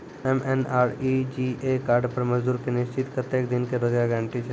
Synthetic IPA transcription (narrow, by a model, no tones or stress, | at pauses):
emenaːɾid͡ʒiekaːɾɖpəɾməd͡ʒd̪uːɾkenɪst͡ʃɪt̪kət̪eːkd̪ɪnkeɾod͡ʒjaɡãɳʈit͡ʃʰe